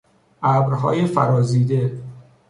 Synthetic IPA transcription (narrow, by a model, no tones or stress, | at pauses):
ʔæːbɾɦɒ̰ːjefæɾɒːziːd̪e